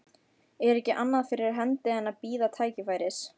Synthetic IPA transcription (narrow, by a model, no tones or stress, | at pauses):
ɛɾɛhcːɪʔanːaðfɪɾɪɾaɦɛnt̪ɪɛnaðpiːðat̪ʰaːjcɪfaːjɾɪs